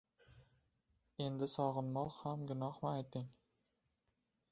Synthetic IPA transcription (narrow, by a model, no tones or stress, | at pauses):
e̞nd̪ɪsɒʁɨnmɒʁhamɡʲʊnɒhmɪajt̪ʰɪŋ